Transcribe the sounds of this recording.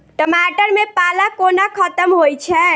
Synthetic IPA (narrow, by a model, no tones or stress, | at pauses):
ʈəmaʈəɾmepalakonakʰət̪əmɦojt͡ʃʰɛ